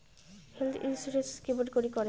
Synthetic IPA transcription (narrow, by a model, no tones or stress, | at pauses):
helt̪ʰḭnsuɾeskeboɖkoɾikɔɾe